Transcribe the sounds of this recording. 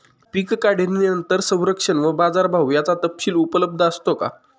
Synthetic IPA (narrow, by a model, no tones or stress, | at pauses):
pikkaɽ̤eninənt̪əɾsə̃w̃ɾəkʂənʋəbad͡zaɾbʱawjat͡sat̪əpɕiːlupələb̚d̪ʱəəst̪oka̰